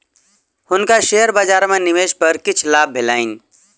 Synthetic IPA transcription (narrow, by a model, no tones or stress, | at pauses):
hʊnkaʃeːəɾbad͡ʒaːɾmẽnɪʋeːʃpəɾkɪt͡ʃʰlaːbʱːɪlaːin